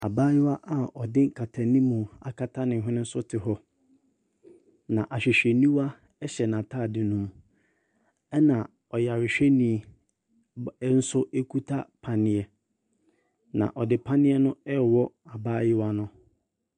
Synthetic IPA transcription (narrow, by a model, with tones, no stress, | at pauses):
a˨baː˦jɪ˦wa˦ʔa˨ʔɔ˨dɪ̃˦ŋ˦kʰa˨tʰa˨nĩ˦mũ˨a̰˨kʰa˦tʰa˦nɪ̃˨ɦɪ̃˦nɪ̃˦n̩˦sʊ˦tʰɪ˨ɦɔ˦ | nã˨ʔa˨ɕᶣɪ˨ɕᶣɛ˨nĩ˦wa˦ | ɛ˦ɕɛ˨nã˨tʰa˦˨dɪ˨nũ˦m | ɛ˦nã˨ | ɔ˨ja˨ɾɪ˨ɕᶣe˦nĩ˨˦ | n̩˦sʊ˦ʔɛ˦kʰu˦tʰa˦pʰa˨nɪ̃˦ɛ˦˨ | nã̰˨ʔɔ˨dɪ˨pʰã˦nɪ̃˦ɛ˦nʊ̃˦ɛ˦˨wɔ˦a˨baː˦jɪ˦wa˦nʊ̃˦